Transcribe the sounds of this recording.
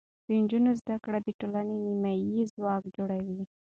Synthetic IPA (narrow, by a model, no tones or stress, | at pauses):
d̪̥ənd͡ʒunozd̪akɽad̪əʈolanenimajizwɑkd͡ʒoɽawi